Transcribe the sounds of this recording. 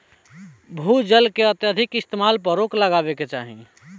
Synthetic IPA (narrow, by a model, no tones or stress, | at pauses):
bʱud͡ʒəlkeət̪jad̪ʱɪkɪst̪emaːlpəɾokləɡaːbeket͡ʃa̰ːɦḭ̃